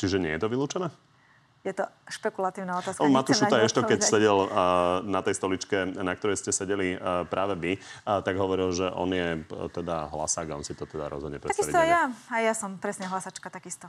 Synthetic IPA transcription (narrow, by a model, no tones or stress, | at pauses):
t͡ʃiʒɛɲɛjɛt̪ɔʋiluːt͡ʃɛnɛː | jɛt̪ɔʃpɛkulat̪iːʊnaɔt̪aːsmat̪uʃtut̪aɛʃt̪ɔkɛcsɛɟɛlnat̪ɛjst̪ɔlit͡ʃkɛnak̚t̪ɔɾɛjscɛsɛɟɛlipɾʔaːʋɛʋit̪aɡɦɔʋɔɾilʒɛʔɔ̰njɛt̪ɛd̪aɦla̰saːɡaɔnsit̪ɔt̪ɛd̪a̰ɾɔ̰zɦɔd̪ɲɛpɾɛt̪akistait̪jaajjasɔmpɾɛsɲɛɦlasat͡ʃkat̪akist̪ɔ